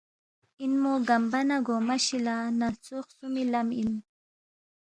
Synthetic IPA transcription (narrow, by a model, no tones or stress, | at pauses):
inmoɡambanaɡomaʃilanat͡soχsʊmilamin